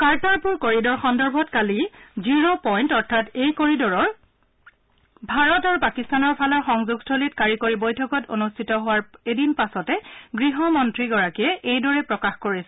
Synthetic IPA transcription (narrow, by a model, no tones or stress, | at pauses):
kaɹtaɹpʊɹkoɹidɔɹxɔndɔɹbʱɔtkaliziɹɔpɔjntɔɹtʰatejkoɹidɔɹɔɹ | bʱaɹɔtaɹupakistanɔɹpʰalɔɹxɔŋzuɡstʰolitkaɹikoɹibojtʰɔkɔto̰nustʰitɔɦʊwaɹedinpasɔtɛɡɹiɦɔmɔntɹiɡɔɹakiɛʔejdɔɹɛpɹɔkaxkoɹisɛ